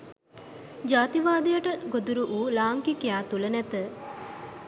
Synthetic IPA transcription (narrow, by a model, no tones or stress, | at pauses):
d͡ʒaːt̪iʋaːd̪ijəʈəɡod̪uɾuʔuːlaːŋkikjaːt̪ulənɛt̪ə